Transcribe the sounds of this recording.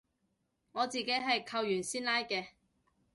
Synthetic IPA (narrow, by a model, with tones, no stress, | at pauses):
ŋɔː˨˧t͡siː˨ke˨˥jɦɐ˨jkʰɐ˧wjyː˨˩nsiː˥nlaː˥jkɛː˧